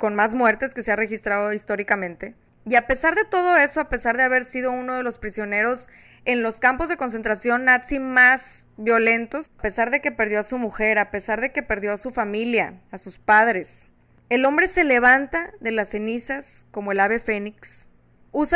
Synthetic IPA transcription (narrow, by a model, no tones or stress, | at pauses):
ko̞nmazmwe̞ɾt̪e̞ske̞se̞are̞xist̪ɾaðoist̪o̞ɾikamẽnt̪e̞ | iape̞saɾðe̞t̪o̞ð̞o̞e̞so̞ape̞saɾðe̞aβ̞e̞ɾsið̞o̞uno̞ð̞e̞lo̞spɾisjo̞ne̞ɾo̞s | e̞nlo̞skampo̞zðe̞ko̞ns̬e̞nt̪ɾasjo̞nːat̪simaz | βjo̞le̞nt̪o̞spe̞saɾðe̞ke̞pe̞ɾðjo̞asumuxe̞ɾape̞saɾð̞e̞ke̞pe̞ɾðjo̞asufamiljaːsuspaðɾe̞s | e̞lo̞mbɾe̞se̞le̞β̞ant̪aðe̞lase̞nisasko̞mo̞e̞laβe̞fe̞niks | us